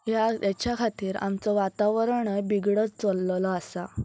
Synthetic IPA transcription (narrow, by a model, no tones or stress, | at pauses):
jaat͡ɕjakʰat̪iːɾa̰mt͡sɔʋat̪aʋəɾɳəbiɡɽət͡st͡sɔlːlɔasa